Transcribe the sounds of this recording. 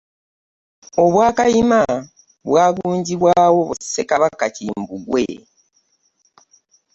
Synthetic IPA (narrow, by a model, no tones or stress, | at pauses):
o̞βwaːkajima | βwaːɡuːɲɟiβwaːwo̞βuse̞kaβakaciːmbuɡwe